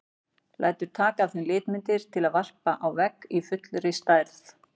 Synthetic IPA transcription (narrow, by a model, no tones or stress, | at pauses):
lʔa̰jt̪ʏɾ̥t̪ʰaːkaθʏnlɪːt̪mɪnt̪ɪɾ̥t̪ʰɪlaðvar̥paʔawvɛkːifʏt̪lɾɪst̪aːjɾθ